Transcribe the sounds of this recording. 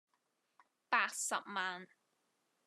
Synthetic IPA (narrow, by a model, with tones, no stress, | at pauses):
paː˧k̚sɐ̰˨p̚maː˨n